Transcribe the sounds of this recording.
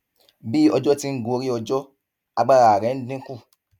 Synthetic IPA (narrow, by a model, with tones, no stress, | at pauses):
bi˦ɔ˧d͡ʒɔ˦ti˦ŋ̩˦ɡo˧ɾi˦ɔ˧d͡ʒɔ˦ | a˧ɡ͡ba˦ɾa˨a˨ɾɛ̃˨˦dĩ˦ku˦˨